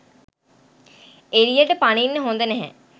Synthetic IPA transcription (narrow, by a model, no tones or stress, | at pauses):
eɾijəʈəpaninːəɦond̪ənɛɦɛ̰